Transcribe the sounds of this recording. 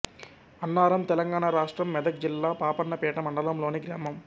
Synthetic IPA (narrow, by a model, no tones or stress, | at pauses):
ɐnːaːɾɐmt̪ɛlɐŋɡaːnɳaːɾaːʂʈɾɐmːɛd̪ɐk̚d͡ʒilːaːpaːpɐnːɐpɛːʈɐmɐɳɖɐlɐmlo̞ːniɡɾaːmɐm